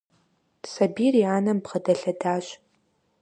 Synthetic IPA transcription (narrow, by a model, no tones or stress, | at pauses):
sɐbiːrjaːnɐmbʁɐdɐɬɐdaːɕ